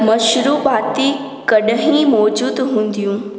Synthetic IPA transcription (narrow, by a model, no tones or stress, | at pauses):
mɐʃɾuːpaːt̪i | kɐɗɦĩmɔːd͡ʑuːd̪ɦũːn̆d̪ijũː